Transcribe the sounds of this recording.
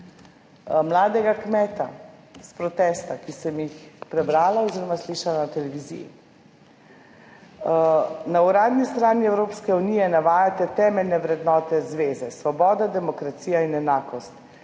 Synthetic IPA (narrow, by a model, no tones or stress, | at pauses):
mlaːd̪ɛɡakmɛːt̪a̰spɾɔt̪ɛst̪akisɛmjixpɾɛbɾaːlaoziːɾɔmasliːʃalanat̪ɛlɛʋizḭjḭ | nauɾaːd̪nist̪ɾaːniɛwɾoːpskɛuniːjɛnaʋaːjat̪ɛt̪ɛːmɛlnɛʋɾɛd̪nɔːt̪ɛzʋeːzɛsʋɔbɔːd̪ad̪ɛmɔkɾat̪siːjainɛnaːkɔst̪